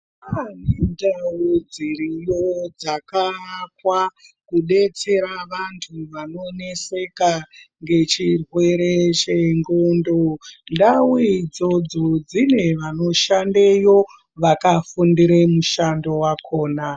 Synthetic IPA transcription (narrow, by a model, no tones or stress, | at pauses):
anendawud͡ziɾijod͡zakakwakuɗe̞t͡se̞ɾaʋantʰuʋano̞ne̞se̞kaŋɡe̞t͡ʃirwe̞ɾe̞t͡ʃe̞ŋɡondondawuid͡zo̞d͡zod͡zine̞ʋano̞ʃandejo̞ | ʋakafundiɾemuʃando̞wakʰo̞ːna